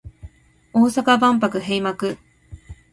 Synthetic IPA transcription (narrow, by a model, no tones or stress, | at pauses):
o̞ːsakabãmp̬akɯ̟ɦeimakɯ̟